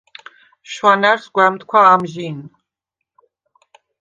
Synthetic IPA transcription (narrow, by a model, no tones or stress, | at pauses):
ʃwanaɾsɡwɛmt̪kʷʰwaːmʒin